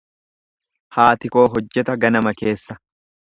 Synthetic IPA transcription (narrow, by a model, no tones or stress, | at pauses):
haːt̪ɪko̞ːɦɔd͡ʒːɛt̪ɐɡɐnɐmɐke̞ːsːɐ